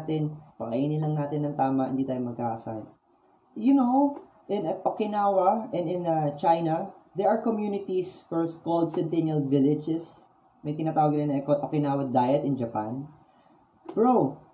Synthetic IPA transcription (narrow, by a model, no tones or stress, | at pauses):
t̪ɪnpɐʔɐ̰ʔiːnɪnlɐŋnaːt̪ɪnɐŋt̪aːmɐʔɪ̰nd̪it̪aːjomɐɡ̚kaːʔɐsad̪ | jʊnow | ʔɪ̃nɐʔokɪnaːwɐʔɛnd̪ɪ̃nɐt͡ʃajnɐ | d̪ɛɹʔɐɹkomjunɪt̪isfɛɹskold̪sɛnt̪ɛnɐlvɪlɪd͡ʒɛs | mɐjt̪ɪnaːt̪aːwɐɡ̪ɾɪnɐkoʔokɪnaːwɐd̪ajɐt̪ɪnd͡ʒɐpan | pɹo